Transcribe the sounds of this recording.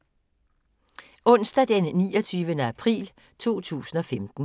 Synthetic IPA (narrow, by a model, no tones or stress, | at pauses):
ʔɔ̽n̰sd̥æd̥enːḭːɒt͡sʰyːʋənəæpʰʁḭːl | t͡sʰo̝̰ːt͡sʰṵːsn̩ɒ̽femd̥n̩